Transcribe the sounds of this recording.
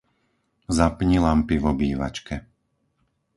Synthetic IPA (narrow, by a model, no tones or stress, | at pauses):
zapɲilampiʋɔbiːʋa̰t͡ʃkɛ